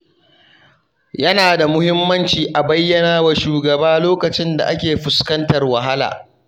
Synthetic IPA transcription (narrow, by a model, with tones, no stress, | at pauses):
jɐ˦naː˨da˨mʊ˦hɪ˦mːɐ˦nt͡ʃiː˨ʔa˨bɐ˦jːɐ˨naː˦wa˨ʃuː˨ɡɐ˨baː˦loː˦kɐ˨t͡ʃɪ˦nda̰˨ʔa˦kʲeː˨ɸʊ˨skɐ˦ntɐ˨rwa˨ɦa˦la̰ː˨